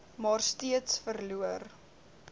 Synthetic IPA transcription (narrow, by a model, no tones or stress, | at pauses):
mɑːrstiətsfərluər